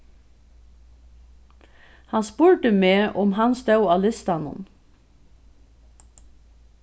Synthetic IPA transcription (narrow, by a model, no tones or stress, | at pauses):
hɑnspuːɹʈəmeːʔʊmhɑnsd̪ɑʉɑːlɪst̪ɑnʊ̰n